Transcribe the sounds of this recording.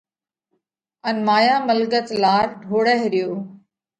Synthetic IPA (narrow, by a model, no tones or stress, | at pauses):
ənmaːjaːməlɡət̪laːɾɖʱoːɽəɦɾɪjoː